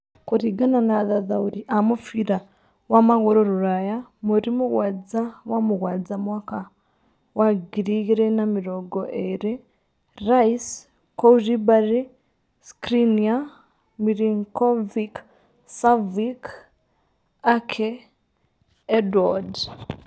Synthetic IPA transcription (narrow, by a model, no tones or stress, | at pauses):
kuɾiɡananaðaðauɾiʔamufiɾa | wamaɣuɾoɾuɾajamuɾimuɣwaːd͡zawamuɣwaːd͡zamwaka | waɡiɾiɣiɾenamiɾoɡoʔeɾe | ɾais | kouʒibaɾi | skɾinia | miɾiŋkovik | savik | akʰe | edwad